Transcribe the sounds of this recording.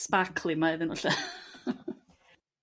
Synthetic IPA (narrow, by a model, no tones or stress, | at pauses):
spakʰlˠɪmaɪðənʊɬɛ